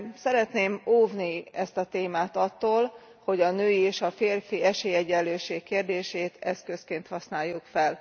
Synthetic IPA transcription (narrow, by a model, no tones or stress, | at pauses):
sɛɾɛt̪neːmoːvniɛst̪ɒt̪eːmaːt̪ɒt̪ːoːl | ho̞ɟɒnøːjieːʃɒfeːrfiɛʃeːjɛɟɛlːøːʃeːkːeːrd̪eːʃeːt̪ɛskø̞skeːnt̪hɒsnaːjːukfɛl